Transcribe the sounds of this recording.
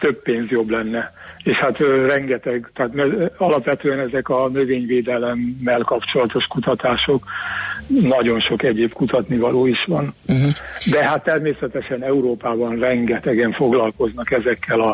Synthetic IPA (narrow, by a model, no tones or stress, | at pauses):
t̪øpːeːnzjo̞blɛnːɛeːʃhat̪rɛŋɡɛt̪ɛɡt̪ɛːt̪mɛɒlɒpʋɛt̪øːɛnɛzɛkɒnøveːɲveːd̪ɛlɛmːɛlkɒpt͡ʃo̞lɒt̪o̞ʃkut̪ɒt̪aːʃo̞k | nɒɟo̞nʃo̞kɛɟeːbkut̪ɒt̪nivɒloːiʃʋɒn | d̪ɛɦat̪ːɛrmeːsɛt̪ɛʃɛnɛuɾoːpaːbɒnrɛŋɡɛt̪ɛɡɛɱfo̞ɡlɒlko̞znɒkɛzɛkːɛlɒ